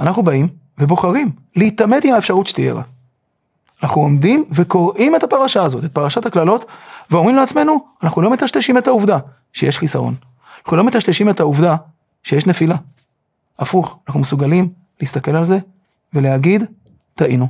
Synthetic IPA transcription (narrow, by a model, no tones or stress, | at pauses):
anaχnubaim | ve̞bo̞χaʁim | liit̪ame̞dimaefʃaʁutʃe̥t̪iḛʁa̰ | anaχuomdimve̞ko̞ʁʔime̞t̪hapaʁaʃaːzo̞tet̚paʁaʃothaklalo̞t̪veo̞mʁimleat͡sme̞nuanaχnulo̞met̪aʃteʃime̞thauvda | ʃejeʃχisaʁo̞̰n | anaχnulo̞met̪aʃteʃime̞thauvda | ʃejeʃne̞fila | afuχanaχnumesuɡalim | leist̪ake̞lalze̞ | ve̞leaɡid | taʔinu